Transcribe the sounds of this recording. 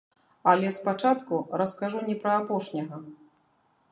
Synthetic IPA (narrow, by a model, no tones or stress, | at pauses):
alʲɛspat͡ʂat̪kuɾɐskaʐunʲɛpɾɐapɔʂnʲɐɣɐ